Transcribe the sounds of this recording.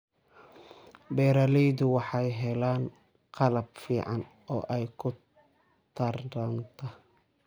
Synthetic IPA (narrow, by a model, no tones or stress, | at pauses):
bɛːɾɐːlɛjd̪ʊwɑħɑjɦɛlaːn | qʰɑlɐb̚fiːʕɑn | ɔːʔɛjkʰʊ | t̪ʰɐrɾɐnt̪ʰɐ